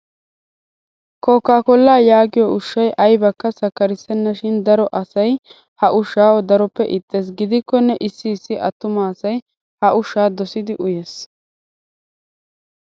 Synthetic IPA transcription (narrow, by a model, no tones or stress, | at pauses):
koːkːaːkɔlːaːjaːɡɪjɔʊʃːɐjʔɐjbɐkːɐsɐkːɐɾɪsɛnːɐʃɪnd̪ɐɾɔʔɐsɐj | hɐʔʊʃːaːwɔd̪ɐɾɔpːɛʔɪt̪ʼːe̞ːs̬ɡɪd̪ɪkːɔnːɛʔɪsːɪːsːɪʔɐt̪ːʊmaːsɐj | hɐʔʊʃːaːd̪ɔsɪd̪ɪʔʊjeːs